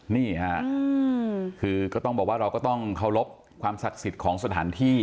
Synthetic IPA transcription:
niː˥˩ha˦ʔ | kʰɯː˧kɔː˥˩t̪ɔ˥˩ŋbɔː˨˩waː˥˩ɾa˧wkɔ˥˩t̪ɔ˥˩ŋkʰa˥˩wlo˦˥p̚ | kʰwaː˧msa˨˩k̚si˨˩t̪̚kʰɔː˩˦ŋsa˧t̪ʰaː˩˦nt̪ʰiː˥˩

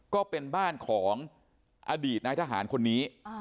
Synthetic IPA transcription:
kɔː˥˩pe˧nbaː˥˩nkʰɔː˩˦ŋ | ʔaː˧diː˨˩t̪̚naː˧jt̪ʰaː˧ɦa̰ː˩˦nkʰo˧nːiː˦˥

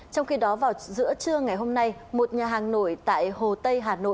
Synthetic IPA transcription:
t͡ɕɔ˧wŋ͡mxi˧ɗɔ˨˦vaː˨˩wzɨ̰˧˥ət͡ɕɨ˧əŋa˨˩jɦo˧mna˧jmo˨˩t̚ɲaː˨˩ɦaː˨˩ŋno̰˧˨jt̪a̰ː˧˨jho˨˩t̪ə˧jɦaː˨˩no̰˧˨

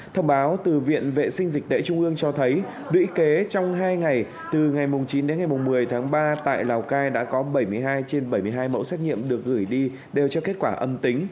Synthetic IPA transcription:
t̪ʰə˧wŋ͡mɓaː˨˦wt̪ɨ˨˩vḭ˧˨ənvḛ˧˨sï˧ŋ̟zi˨˩k̚t̪ḛ˧˥t͡ɕʊ˧ŋ͡mʔɨ˧əŋt͡ɕɔ˧t̪ʰə˨˦j | ɗwḭ˧˥ke˨˦t͡ɕɔ˧wŋ͡mɦaː˧jŋa˨˩j | t̪ɨ˨˩ŋa˨˩jmʊ˨˩ŋ͡mt͡ɕi˨˦nɗe˨˦nŋa˨˩jmʊ˨˩ŋ͡mmɨ˨˩əjt̪ʰaː˨˦ŋɓaː˧t̪a̰ː˧˨jlaː˨˩wkaː˧jɗa̰ː˧˥kɔ˨˦ɓə˧˩jmɨ˧˩əjɦaː˧jt͡ɕe˧nɓə˧˩jmɨ˧əjɦaː˧jmə̰˧˥wsɛ˦˥t̚ɲḭ˧˨əmɗɨ˨˩ək̚ɣɨ˧˩jɗi˧ | ɗe˨˩wt͡ɕɔ˧ke˦˥t̚kwaː˧˩ʔə˧mt̪i˨˦ŋ̟

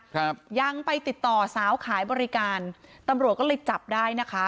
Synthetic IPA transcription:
pja˧ŋpa˧jt̪i˨˩t̪ːɔː˨˩saː˩˦wkʰaː˩˦jbɔː˧ɾi˦˧˥kaː˧nt̪a˧mɾu˨˩ət̪̚kɔː˥˩ɤː˧jt͡ɕa˨˩p̚daː˥˩jna˦˥kʰa˦˥

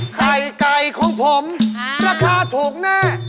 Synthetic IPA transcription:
sa˨˩jka˧jkʰɔː˨˦ŋpʰo˨˩˦mɾaː˧˥˩kʰaː˧t̪ʰuː˨˩k̚naː˥˩

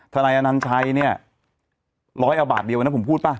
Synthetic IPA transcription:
t̪ʰa˧naː˧jʔa˧na˦˥nt͡ɕʰa˦˥jni˥˩ɐə | lɔː˦˥jʔa˧ba̰ː˨˩t̪̚di˧wa˧nːa˦˥pʰu˩˦pʰuː˥˩t̪̚paː˦˥˩

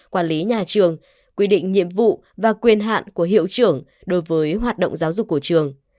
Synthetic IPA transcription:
kwaː˧˩nli˨˦ɲaː˨˩t͡ɕɨ˨˩əŋ | kwi˧ɗḭ˧˨ŋ̟ɲḭ˧˨əmvṵ˧˨ | vaː˨˩kwi˧ənɦa̰ː˧˨nku˧˩əɦḭ˧˨əwt͡ɕɨ˧˩əŋ | ɗo˨˦jvəː˨˦jɦwaː˨˩t̚ɗə̰˧˨wŋ͡mzaː˨˦wzʊ˨˩k͡pk̚ːu˧˩ət͡ɕɨ˨˩əŋ

